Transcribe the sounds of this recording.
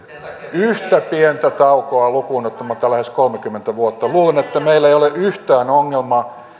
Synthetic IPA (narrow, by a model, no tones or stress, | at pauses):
yht̪æpient̪æt̪ɑukoɑlukuːnːot̪ːomɑt̪ːɑlæheskolmekymːent̪æʋuot̪ːɑluːlenet̪ːæmeilːeioleʔyht̪æːnoŋːelmɑ